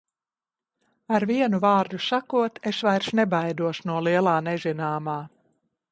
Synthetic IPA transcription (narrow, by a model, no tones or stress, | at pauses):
aɾviɛnuvaːɾd̪usakuɔt̪esvajɾsnɛbajd̪uɔʃunuɔlˠiɛlˠaːnɛzinaːmaː